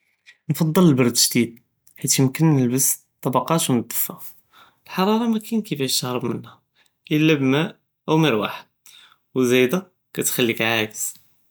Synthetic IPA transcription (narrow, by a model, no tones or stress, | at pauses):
nfɑd̪ˤːələlbɑɾˤd̪ʒd̪id̪̚ | ħit̪jəmkənːəlbəs | t̪ˤːɑbɑqɑt̪wnəd̪ːəfːæf | lħɑɾˤɑɾˤɑmækænkəfætɑhɾˤəbmənhæ | ʔəlːæbmæʔ | ʔæwməɾwa̰ħəd̪̚ | wzæjd̪æ | kæt̪xælːikʕajəz̥